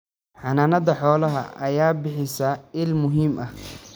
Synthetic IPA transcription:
ħɑnaːnɐðɐħɔːlɐɦɐ̰ɐjaːbɪħɪsɐɪlmʊɦiːmʔɐh

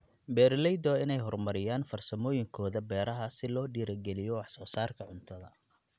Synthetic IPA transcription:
bɛːɾlɛjd̪ɔɪnɛjɦɔrmɐɾɪjaːnfɐrsɐmɔːjɪŋkʰɔːðɐbɛːɾɐɦɐsɪlɔːɖiːɾɐɡɛlɪjɔwɑħsɔːsaːrkʰɐʕʊnt̪ʰɐðɐ̰

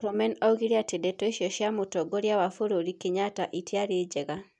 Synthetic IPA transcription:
ɔmɛnɔɣiɾiatedɛtɔiʃjɔʃjamotɔɡoɾjawafoɾoɾikeɲataʔitʰiaɾed͡ʒɛɣa

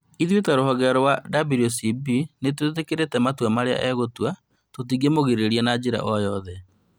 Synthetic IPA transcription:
iðwetɛɾoɦɔɣɛɾɔwadabiɾosibinet̬wetekeɾetɛmatwamaɾea̰ʔɛɣotua | tot̬iɡemoɣeɾeɾianad͡ʑeɾa̰ʔɔjɔðɛ

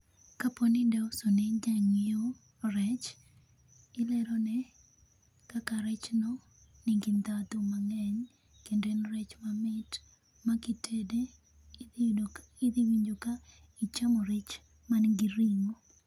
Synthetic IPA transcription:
kaponɪndaosoneɲd͡ʒaŋjo | ɾɛt͡ʃ | ɪlɛɾɔnɛ | kakaɾɛt͡ʃnɔ | niŋɡint̪at̪umaŋɛɲ | kendenɾɛt͡ʃmamɪt | makitʰede | ɪd̪iwiɲd͡ʒoka | it͡ʃamɔɾet͡ʃ | manɡiɾiŋo

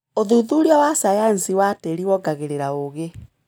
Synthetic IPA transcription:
oðuðuɾiawasajansiwateɾiwɔɡaɣeɾeɾaoɣe

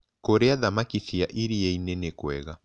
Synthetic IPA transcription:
koɾeaðamakiθiaʔiɾieinenekwɛɣa

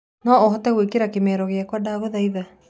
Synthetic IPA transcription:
nɔɔɦɔtɛɣwekeɾakemɛːɾɔɣeakwadaːɣoðaiða

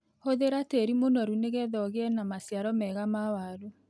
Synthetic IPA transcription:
hoðeɾateɾimonɔɾuneɣɛðɔɣeɛnamasjaɾɔmɛɣamawaɾo

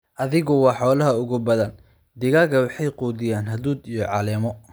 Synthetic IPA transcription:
ʔɐðɪɣʊwɑːħɔːlɐɦɐʊɣʊbɐðɐn | d̪ɪɣaːɣɐwɑħɑjquːðɪjaːnɦɐðuːd̪ijɞʕɑlɛːmɔ

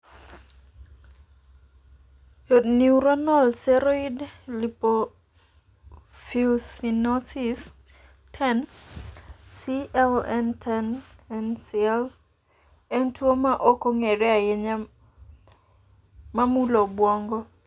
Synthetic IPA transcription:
jodniuɾɔnɔlsɛɾoidlipo | filsinɔtis | tʰɛn | siɛlɛntʰɛnɛnsiɛl | ɛntwomaʔɔkoŋeɾɛajeɲa | mamulobwɔŋɡɔ

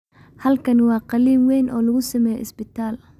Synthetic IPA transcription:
hɐlkʰɐnwɑːqɑliːmwɛjnʔɔːlɐɣʊsɐmɛːjɔ̰ɪ̰sbɪt̪ʰaːl

